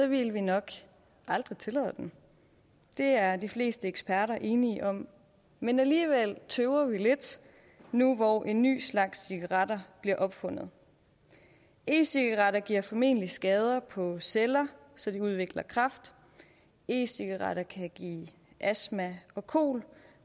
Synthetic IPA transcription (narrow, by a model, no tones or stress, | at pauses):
sɒʋilʋinɒ̽ɡ̥ | ʔɑ̈ld̥ʁit͡sʰe̝lɛ̰ːð̰ˠd̥en | d̥e̝æɐd̥ifle̝̰ːsd̥əeɡ̥sbpʰæɐɾɐʔe̝ːniʔɒ̽m̰ | menæliːʋel̰t͡sʰøʊɐʋile̝d̥ | nuʋɒʔe̝nːy̰ːslɑ̈ɡ̥sːiɡ̥ɑʁɑd̥ɐb̥liɐʔɒ̽b̥fɔ̽n̰ð̞̩ˠ | e̝̰ːsiɡ̥ɑʁɑ̈ɾɐɡ̥iɐ̰fɒ̽me̝̰ːnəlisɡ̥ɛːð̞ˠɐpʰɒ̽selɐ | sɒ̽d̥iuð̞ˠʋe̝ɡ̥lɐkʰʁɑ̈fd̥ | e̝̰ːsiɡ̥ɑʁɑ̰ɾɐkʰæɡ̥ḭː | ʔæsmæɒ̽kʰo̝̰ːl